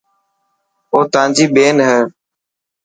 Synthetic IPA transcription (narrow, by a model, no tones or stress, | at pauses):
oːt̪ãːnd͡ʒiːɓeːnɦɛː